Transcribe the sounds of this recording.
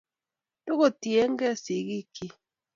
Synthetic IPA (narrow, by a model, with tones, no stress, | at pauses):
to˦ko˦˨tje˦ŋ˦ɡɛ˦˨si˨˦ɡi˦˨kʰi˦